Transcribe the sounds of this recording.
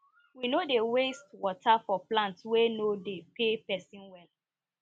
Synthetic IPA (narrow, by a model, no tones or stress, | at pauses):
winodewestwɔtʰafɔplãntswenodepepɛsĩnwɛl